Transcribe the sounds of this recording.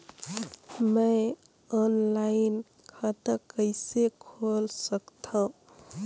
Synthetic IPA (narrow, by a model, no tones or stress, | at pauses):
mə | ɔnlaɪn | kʰat̪əkəɪsekʰolsəkt̪ʰə̃